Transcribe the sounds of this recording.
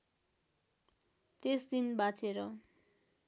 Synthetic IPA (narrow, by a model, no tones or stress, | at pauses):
t̪esd̪inbat͡sʰeɾʌ